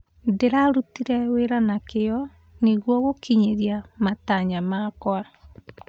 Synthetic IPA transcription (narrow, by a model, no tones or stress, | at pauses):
ndeɾaɾutiɾɛweɾanakeɔ | neɣwɔɣokiɲeɾjamataɲamaːkɔa